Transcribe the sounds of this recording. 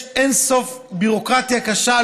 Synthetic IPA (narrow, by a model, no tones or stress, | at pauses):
enso̞fbiʁo̞kʁat̪jakaʃa